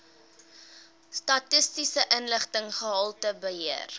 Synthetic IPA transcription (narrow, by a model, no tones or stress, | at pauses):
stɐtəstisəʔənləχtəŋχəɦɐlˠtəbəɦiər